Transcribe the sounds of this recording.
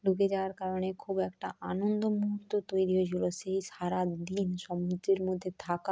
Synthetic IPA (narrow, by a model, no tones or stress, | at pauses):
luɡed͡ʑawaɾkaɾonekʰubɛkʈaʔanond̪omuɦuɾt̪ːot̪ojɾiɦot͡ɕʰiloʃejʃaɾad̪inʃɔmud̪ɾiɾmod̪ʱːet̪ʰaka